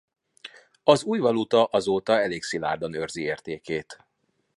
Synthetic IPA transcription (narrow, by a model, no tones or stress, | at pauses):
ɒzuːjvɒlut̪ɒʔɒzoːt̪ɒɛleːksila̰ːrd̪onørzieːrt̪eːkeːt̪